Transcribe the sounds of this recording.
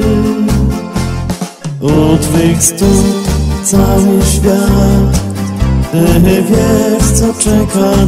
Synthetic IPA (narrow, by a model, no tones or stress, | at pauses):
ɔt̪vɛkst̪ut̪sawɨɕfʲjat̪ | ɛɲɛvʲjɛʂt̪sɔt͡ʂɛka